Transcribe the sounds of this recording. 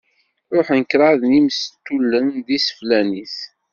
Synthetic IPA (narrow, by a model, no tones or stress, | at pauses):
ɾˤoħnkɾˤɑðnimst̪ːulːənðisə̥flæniθ